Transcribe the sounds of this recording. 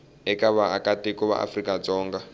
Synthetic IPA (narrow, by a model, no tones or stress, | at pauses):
ɛkʼaβaakʼatʼekʼɔβa̰ʔa̰frikʼat͡sʼɔːŋɡa